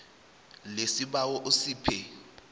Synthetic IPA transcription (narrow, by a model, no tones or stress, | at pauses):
lesiɓawɔʔosiːpʰɛ